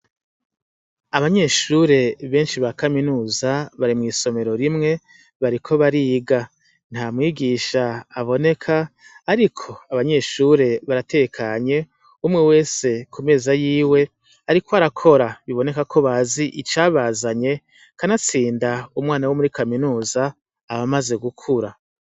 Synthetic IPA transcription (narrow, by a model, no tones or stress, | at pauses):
aβaɲe̞ːʃuɾe̞βe̞ːnʃiβakaminuːzaβaɾimŋiːso̞me̞ɾo̞ɾimŋe̞ | βaɾikʰo̞βaɾiɡa | n̥hamŋiːɡiːʃaːβo̞ne̞kʰaːɾikʰo̞aβaɲe̞ːʃuɾe̞βaɾate̞kʰaɲe̞ | umŋewe̞ːse̞kʰume̞ːzajiːwe̞ | aɾikoaɾakʰo̞ɾaβiβo̞ne̞kakʰo̞βaziʔit͡ʃaːβazaɲe̞ | kanat͡siːndaumŋaːnawomuɾikaminuːzaː | βamaze̞ɡukʰuɾa